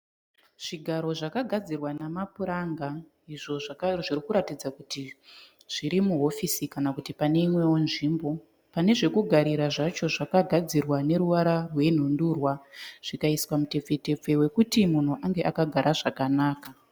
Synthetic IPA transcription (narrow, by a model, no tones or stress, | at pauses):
ʐ̥iɡʱaɾo̞ʐakaɡʱad͡zirwanamapuɾaŋɡa | iʐo̞ʐʐirikuɾatid͡zakuti | ʐ̥iɾimuɦo̞fisikanakutipane̞imwe̞wonʐimbo̞ | pane̞ʐe̞kuɡʱaɾiɾaʐat͡ʃo̞ʐakaɡʱad͡zirwane̞ɾuʋaɾarwe̞in̤unduːrwaʐ̥ikaiswamute̞p͡fe̞te̞p͡fe̞we̞kutimun̤uʔaŋɡe̞ʔakaɡʱaɾaʐakanaːka